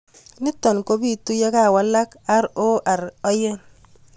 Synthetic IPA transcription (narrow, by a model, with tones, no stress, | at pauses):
ni˦tɔ˨nko˦bi˦tu˦ja˦ka˦˨wa˨˦la˦ka˦ɾo˦ʔa˨ɾɔ˦jɛ˦n